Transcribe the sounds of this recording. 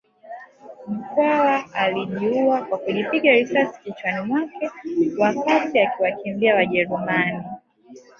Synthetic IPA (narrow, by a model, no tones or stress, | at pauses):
m̩kwawaʔaliʄiuakwakuʄipiɠaɾisasi̥kit͡ʃwanimwakɛwakatiakiwakimbiawaʄɛɾumani